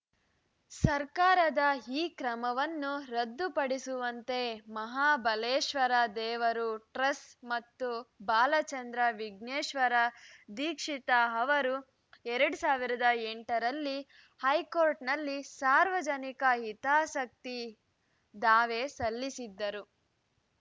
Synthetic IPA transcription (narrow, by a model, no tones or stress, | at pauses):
sɐɾkaːɾɐd̪ɐiːkɾɐmɐʋɐnːuɾɐd̪ːupɐɽisuʋɐnt̪e̞mɐɦaːbɐleːʃʋɐɾɐd̪ɛːʋɐɾuʈɾɐsmɐt̪ːubaːlɐt͡ʃɐnd̪ɾɐʋiɡneːʃʋɐɾɐd̪iːkʂit̪ɐɦɐʋɐɾu | ɛɾɐɽusaːʋiɾɐd̪ɐeɳʈɐɾɐlːi | hɐjkoːɾʈnɐlːisaːɾʋɐd͡ʒɐnikɐɦit̪aːsɐk̚t̪i | d̪aːʋesɐlːisid̪ːɐɾu